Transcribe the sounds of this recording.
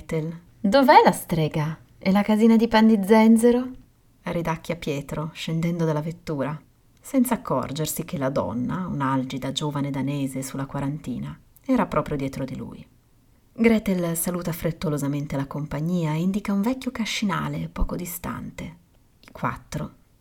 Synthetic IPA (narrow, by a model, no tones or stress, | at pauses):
t̪el | d̪ovɛlast̪ɾɛːɡa | ɛlakaziːnad̪ipand̪id̪zːɛnd̪zeɾo | arid̪akːiapjɛːt̪ɾoʃend̪ɛnd̪od̪alavet̪ːuːɾa | sɛnt̪saːkʰːɔ̰rd͡ʒersik̟ʰelad̪ɔ̰nːaṵnald͡ʒid̪ad͡ʒoːvaned̪aneːzesulːakwaɾant̪ḭːna | ɛːɾapɾʔɔːpɾjod̪jɛːt̪ɾod̪ilṵj | ɡɾɛːt̪elsaluːt̪afɾet̪ːolozament̪elakompaɲːiːaeind̪ikauɱvɛkʲːjokaʃːina̰ːlepɔ̰ːkod̪ist̪a̰nt̪e | ikwa̰t̪ːɾo